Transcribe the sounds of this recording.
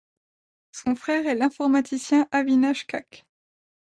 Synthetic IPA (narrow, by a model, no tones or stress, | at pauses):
sɔ̃fχɛʁɛlɛ̃fɔʁmat̪ʰisjɛ̃ʔavinaʃkak